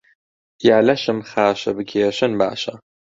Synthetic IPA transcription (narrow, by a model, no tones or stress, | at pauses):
jaːlɐʃɨmχaːʃɐ̰bɨɡʲʰeːʃɐnba̰ːʃɐ